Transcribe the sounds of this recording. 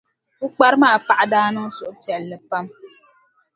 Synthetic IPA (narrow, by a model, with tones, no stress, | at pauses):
u˦k͡pa˦ɾɨ˦maː˦˨pa˨ʔa˦daː˦nɨ˦ŋ˦sʊ˨ʔʊ˦tɛ˨lːɨ˨pa˦m